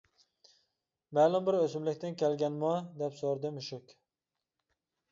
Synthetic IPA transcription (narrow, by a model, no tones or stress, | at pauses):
mæːlˠʊmbɪɾøsɪmlɪkʲt̪ɪnkʲʰɛlɡʲɛnmɑd̪ɛpsoɾd̪ɨmɪʃʊkʲ